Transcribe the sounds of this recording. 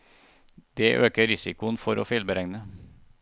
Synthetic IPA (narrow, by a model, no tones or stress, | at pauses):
d̪̥eːʔøːkəɾɪsɪkʊənfɔɾo̰ːfɪlbəɾɛŋnə